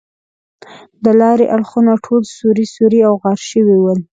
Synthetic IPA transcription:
d̪əlɑɾeʔaɽxunaʈʰolsuɾisuɾiawɣɑɾʃəwiwəl

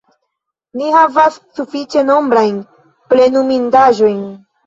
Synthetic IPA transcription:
nihavasːufit͡ʃe̞no̞mbɾajn | ple̞numindaʒo̞jn

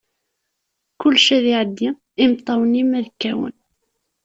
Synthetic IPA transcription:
kʊlːʃæðɪʕəd̪ːi | ɪmt̪ˤːɑwənimæðəkːæwə̰n

